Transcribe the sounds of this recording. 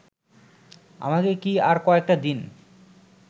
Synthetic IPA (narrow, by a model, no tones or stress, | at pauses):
a̰makekiaɾkoek̚ʈad̪in